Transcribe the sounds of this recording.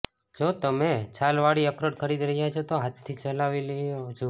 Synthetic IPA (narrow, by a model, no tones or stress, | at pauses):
d͡ʒot̪əmet͡ʃalʋaɽiəkɾəʈkʰəɾid̪ɾəɦjat͡ʃʰot̪oɦat̪ʰːit͡ʃəlaʋileot͡ʃʰo